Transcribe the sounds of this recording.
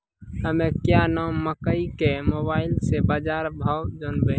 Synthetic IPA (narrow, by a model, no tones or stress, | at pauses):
ɦəmẽkjanamːəkəikemobaːɪlsebaːd͡ʒaːɾbʱawd͡ʒənbe